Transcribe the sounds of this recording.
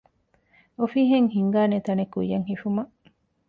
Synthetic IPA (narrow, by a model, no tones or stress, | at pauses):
ofiɦeŋhiŋɡaːnet̪ɐnekṵjːɐŋhifumɐʔ